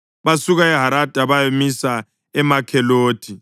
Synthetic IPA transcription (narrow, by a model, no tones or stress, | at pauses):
βasuɣaɛɦaɾad̥ʼʱaβajemisa | ɛmakʰɛloːd̥ʰʼʱi